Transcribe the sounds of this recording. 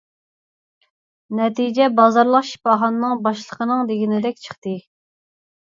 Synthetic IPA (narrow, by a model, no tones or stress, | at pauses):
nɛt̪ʰid͡ʒɛbɑzɑɾlˠəqʃi̥pɑɦɑnːɨŋbɑʃlˠəqʰənɨŋd̪eɡʲinɪd̪ɛkʲt͡ʃʰə̥χt̪ɨ